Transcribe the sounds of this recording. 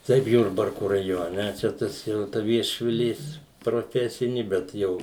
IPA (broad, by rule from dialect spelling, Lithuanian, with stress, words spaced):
ˈtɐɪp ˈjʊrbɐrkʊ rɐˈjoːnʲɛ ˈt͡ʃʲɛ ˈtɐs jɛʊ tɐ ʋʲiɛʃʲʋʲɪˈlʲeːs proːˈfʲæːsʲɪnʲɪ ˈbʲɛt ˈjɛʊ